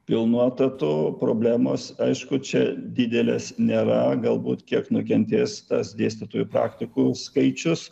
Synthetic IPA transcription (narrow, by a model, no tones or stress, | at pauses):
pʲɪlˠnuɔt̪ɐt̪ʊpɾoːbʲlʲæːmoːsɐɪʃkʊt͡ʃʲɛd̪ʲɪd̪ʲɛlʲḛsnʲeːɾɐɡɐlˠbṵːt̪kʲiɛknʊkʲɛnʲt̪ʲeːst̪ɐsd̪ʲeːsʲt̪ʲet̪oːjʊpɾɑ̰ːkt̪ʲɪkuskɐɪt͡ʃʲʊs